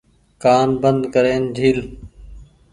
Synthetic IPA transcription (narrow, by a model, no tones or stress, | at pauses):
kaːnbənd̪kəɾeːnd͡ʒʱiːl